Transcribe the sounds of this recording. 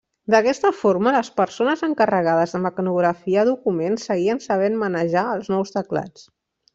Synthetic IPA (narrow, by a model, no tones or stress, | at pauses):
d̪əkɛst̪əfoɾmələspəɾsonəzəŋkərəɣ̞að̞əzðəməknuɣɾəfiəːðukumensːəɣiənsəβ̞enmənəʒaəlˠznɔwst̪əkla̰t͡s